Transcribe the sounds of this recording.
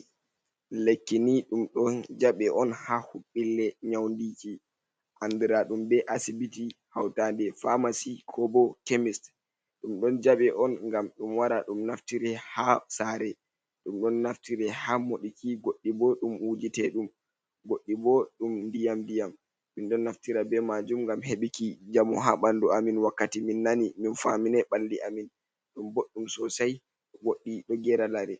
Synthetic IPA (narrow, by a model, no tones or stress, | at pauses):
lekːiniɗumɗɔnd͡ʒaɓɛʔɔnhahuɓːilːɛɲawndiki | ʔandiɾaɗumbɛʔasibitihawtandɛfamasikʰɔbɔkemist | ɗumɗɔnd͡ʒaɓɛʔɔnŋɡamɗumwaɾaɗumnaftiɾɛhasaːɾɛ | ɗumɗɔnːaftiɾɛhamoɗikiɡoɗːibɔɗumwud͡ʒitɛɗum | ɡoɗːibɔɗumndijamdijam | minɗɔnːaftiɾabɛmad͡ʒumŋɡamheɓikid͡ʒamɔɦaɓanduaminwakːatiminːaniminfaminɛɓaldiʔamin | ɗumboɗːumsɔsaj | ɗɔɡoɗːiɗɔɡɛɾalaɾɛ